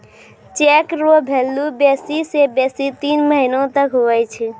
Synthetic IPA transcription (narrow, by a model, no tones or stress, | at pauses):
t͡ʃekɾobʱelːubesisebesit̪inməɦinõt̪əkɦoɛt͡ʃʰi